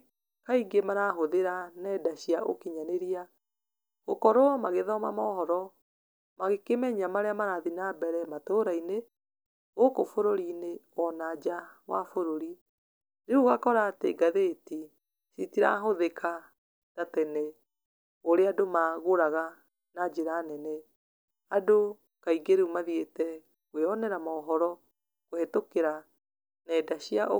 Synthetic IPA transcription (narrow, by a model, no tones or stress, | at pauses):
kaiɡemaɾaɦoðeɾanɛdaɕiaʔo̰kiɲaneɾia | ɣokɔɾomaɣeðɔma̰mɔɦɔɾɔ | maɣekemɛɲamaɾeamaɾaðinabɛɾɛmatoɾaine | okofoɾoɾinewɔnad͡ʒawa̰foɾoɾi | ɾeuɣakɔɾaːtḛɡaðeti | sitiɾa̰ɦoðekʰa | tatɛnɛ | oɾeadomaɣoɾaɣa | nad͡ʒeɾaːnɛnɛ | ado | kaiɡeɾeumaðietɛ | weɔnɛɾamɔɔɦɔɾɔ | kohetokeɾa | nɛːdaɕiaʔo